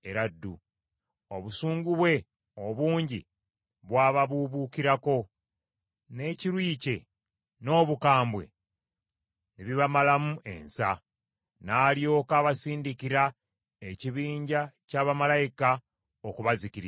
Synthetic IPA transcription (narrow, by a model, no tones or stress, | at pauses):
e̞ɾadːu | o̞βusuːŋɡuβwe̞ | oβuːɲɟi | βwaːβaβuβuːkiɾako̞ | ne̞ciɾwiːce̞ | no̞ːβukaːmbwe̞̰ | neβiβamalamue̞̰nsa | naːljo̞ːkaːβasiːndikiɾa | e̞ciβiːɲɟacaːβamalajika | okuβaziciɾi